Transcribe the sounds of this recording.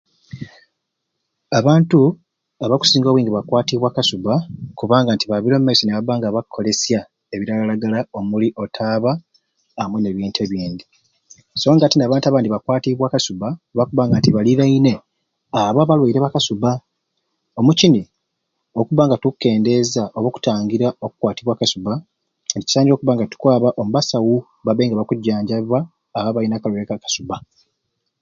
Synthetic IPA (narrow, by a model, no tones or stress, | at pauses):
aβaːntu | aβaku̥siːŋɡoβwiːŋɡiβakwaːtiβwaːkasubakuβaːŋɡantiβaβiɾo̞mmːaisineβaβaːŋɡaβakʰːo̞le̞sja | e̞βiɾalalaɡalao̞muliʔo̞tʰaːβaː | mwene̞βjeːntʰe̞ːβjeːnd̪i | so̞ːŋɡatinaːβaːntaβaːndiβakwaːtiβwaːkasubaβakuβaːŋɡatiβaliɾaine̞ | aβaβalweiɾeβakasuba | o̞mucini | okuβaːŋɡatukːe̞ːnde̞zaʔoβoku̥taːŋɡiɾao̞ku̥kwaːtiβwaːkasuβa | nici̥saːɲɟo̞ːkuβaːŋɡatu̥kwaːβaʔomuβasawu | βaβeːŋɡaβakuɟːaːɲɟaβwaː | βaβainaːkalweiɾekakḁsuba